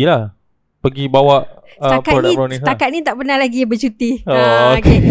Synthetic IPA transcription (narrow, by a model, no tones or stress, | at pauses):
ilah | pəɡibawaʔ | təapkatodaĩɾonĩsakat̪̚nĩt̪aʔpənahlaɡibət͡ʃut̪ioooke